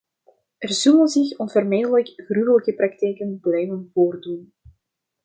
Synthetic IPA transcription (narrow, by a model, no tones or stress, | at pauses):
ɛrz̥ɵlənzɪxɔnvərmeːdələkɣryɣələkəprɑktɛjkənblɛjvənvoːrdun